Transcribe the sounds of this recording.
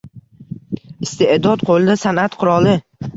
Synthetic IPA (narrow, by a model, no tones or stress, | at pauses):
ɪst̪eʔd̪ɒd̪̚qʰolˠɪd̪asanat̪qʰʊɾɒlˠɪ